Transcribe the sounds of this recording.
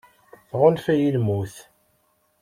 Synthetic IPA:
θʁʊnfæjilmuθ

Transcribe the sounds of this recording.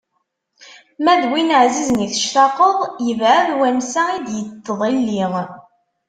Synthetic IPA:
mæðwinəʕzizəniθə̥ʃt̪ɑqəðˤjəvʕəðwænsæid̪jət̪ːəðˤilːiŋ

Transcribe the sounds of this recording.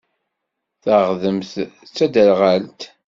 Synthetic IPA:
θəʁðəmθt͡sːæd̪ælʁalt̪

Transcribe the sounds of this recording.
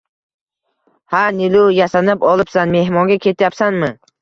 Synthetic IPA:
hanɪlʊjasanɪpɒlˠɪpsanme̞hmɒŋɡʲakʲʰe̞t̪ʰjapsanmɪ

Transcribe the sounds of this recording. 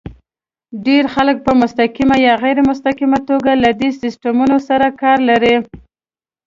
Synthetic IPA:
ɖeɾxalək̚pəmʊst̪akimajɑɣajɾemʊs̬t̪akimat̪oɡalad̪esɪsʈamunosaɾakɑɾlaɾi

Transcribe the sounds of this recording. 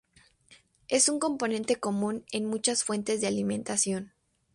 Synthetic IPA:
e̞suŋko̞mpo̞nẽ̞nt̪e̞ko̞mũne̞nmut͡ʃasfwe̞nt̪e̞zðealimẽ̞nt̪asjo̞n

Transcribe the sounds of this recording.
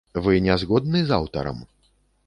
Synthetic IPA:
vɨnʲazɣɔd̪nɨza̰wt̪ɐ̰ɾɐ̰m

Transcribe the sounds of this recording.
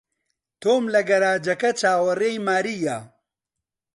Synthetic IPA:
t̪ʰoːmlɐɡɐɾaːd͡ʒɐkɐt͡ʃaːwɐreːjmaːɾija

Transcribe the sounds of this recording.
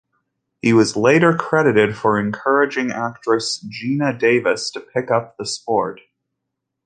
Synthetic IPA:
hiwʌzleɪɾə˞kʰɹ̥ɛɾɨɾɪd̥fə˞ɨ̃nkʰɜ˞ɨd͡ʒɪ̃ŋæk̚tɹ̥ɨsd̥ʒinɨdeɪvɨstʰɨpʰɪkʌp̚ðəspɔɹt̚

